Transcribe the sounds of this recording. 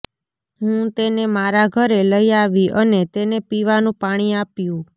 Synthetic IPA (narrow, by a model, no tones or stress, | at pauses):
ɦũt̪enemaɾaɡʱəɾeləiaʋiʔənet̪enepiʋanũpaɽ̃iapjũ